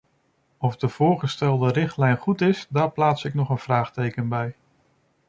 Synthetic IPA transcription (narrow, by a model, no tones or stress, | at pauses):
ɔvdəv̥ʊːɹχəstɛlˠdərɪχtlɛjnχutɪsdaːɹplaːtsɪknɔχənv̥raːχtejkənbɛj